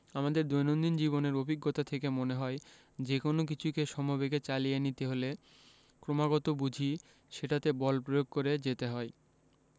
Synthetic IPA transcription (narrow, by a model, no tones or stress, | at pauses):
amad̪eɾd̪ojnond̪ind͡ʑiβoneɾobʱiɡːot̪at̪ʰekemoneɦɔe | d͡ʑekonok̬it͡ɕʰukeʃɔmobeɡet͡ɕalijenit̪eɦole | kɾomaɡɔt̪obud͡ʑʱi | ʃeʈat̪ebɔlpɾojoɡ̚koɾed͡ʑet̪eɦɔe